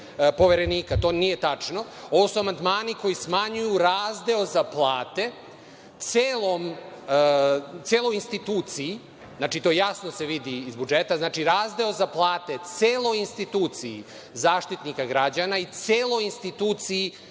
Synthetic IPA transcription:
po̞ʋeɾe̞niːkat̪o̞nije̞t̪at͡ʂno̞o̞ʋosuamand̪maːniko̞jismaɲujuɾaːzd̪eozaplˠaːt̪e | t̪seːlˠom | t̪seːlˠo̞jinst̪it̪uːt̪sii | znaːt͡ʃit̪o̞jasnose̞ʋid̪iːzbud͡ʒet̪aznaːt͡ʃiɾaːzd̪eozaplˠaːt̪e̞t̪seːlˠojinst̪it̪uːt̪sii | zaːʃt̪it̪nikaɡɾad͡ʑanait̪seːlo̞jinst̪it̪uːt̪sii

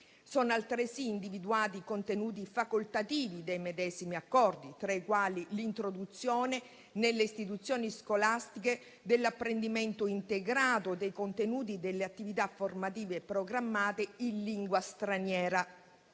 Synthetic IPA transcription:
sɔnalt̪ɾesiːnd̪ivid̪uaːt̪ikont̪enuːt̪̬ifakolt̪at̪iːvid̪ejmed̪ɛːzimiakːɔrd̪it̪ɾaikwaːlilint̪ɾod̪ut̪sːjɔːne | nelːeist̪it̪ut̪sːjɔːniskolast̪ike | d̪elːapːɾend̪iment̪oint̪eɡɾaːt̪od̪ejkont̪enuːt̪̬id̪elːeat̪ːivit̪afːormat̪̬iːvepɾoɡɾamːaːt̪einliŋɡwast̪ɾanjɛːɾa

